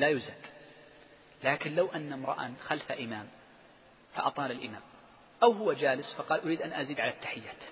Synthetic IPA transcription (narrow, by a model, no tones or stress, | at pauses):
lajʊzak | laːkɪnlawʔanːamɾˤɑ̰ʔa̰nxalfaʔɪmaːm | fa̰ʔɑ̰t̪ˤɑːlalʔɪma̰ːm | ʔawhʊwad͡ʒaːlɪsfɑqɑːlʔʊɾiːd̪ʔanʔaziːd̪ʕalat̪ːaħɪjːaːt̪